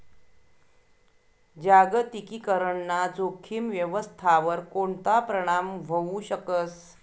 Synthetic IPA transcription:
d͡ʑaɡət̪ikikəɾəɳːad͡zokʰimʋjəʋəst̪ʰaʋəɾkoɳt̪apɾəɽ̃amʋəuɕəkəs

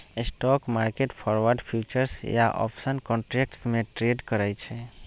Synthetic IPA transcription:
sʈɔkmaɾkeʈpʰɔɾʋəɾɖpʰjut͡ʃəɾsja̰ʔɔ̰pʰsənkɔ̃ɳʈɾek̚ʈsmẽʈɾeɖkəɾajt͡ʃʰɛ

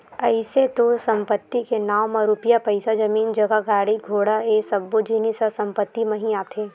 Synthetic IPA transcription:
ɐɪset̪osɐ̃mpət̪ːikenaːʋmɐ̃ɾʊpɪjapɐɪsad͡ʒɐmiːnd͡ʒɐɡaɡaːɽiɡʱoːɽaeːsɐɡ̚bod͡ʒiːnisasɐ̃mpət̪ːimɐɦĩaːt̪ʰeː

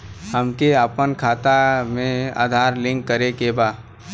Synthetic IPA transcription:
həmkeəpənkʰaːt̪amẽa̰ːd̪ʱaːɾlɪ̃ŋkːəɾekebaː

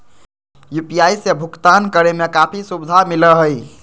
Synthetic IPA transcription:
jupijajsebʱukt̪ankəɾemekapʰisubid̪ʱamiləɦəj

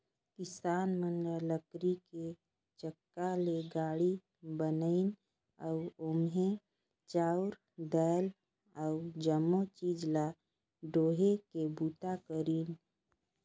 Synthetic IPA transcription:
kɪsaːnmənɾələkɾike | t͡ʃəkːaleɡaːɽi | bənəɪn | əʊʊmɦẽ | t͡ʃaːʊɾ | d̪ɛːl | əʊd͡ʒəmːot͡ʃiːd͡ʒla | ɖoːɦekebuːt̪akəɾiːn

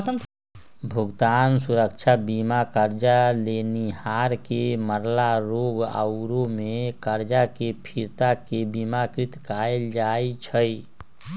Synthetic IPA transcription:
t̪ənt̪ | bʱuɡt̪ansuɾəkt͡ʃʰabimakəɾd͡ʒalenihaɾkeməɾlaɾoɡa̰ʊɾomekəɾd͡ʒakepʰiɾt̪akebimakɾit̪kajld͡ʒajt͡ʃʰəj

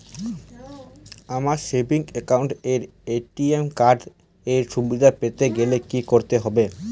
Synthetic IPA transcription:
amaɾʃebiŋekawɳʈeɾ | eʈiemkaɾɖ | eɾʃubid̪ʱapet̪eɡelekikoɾt̪eɦɔbe

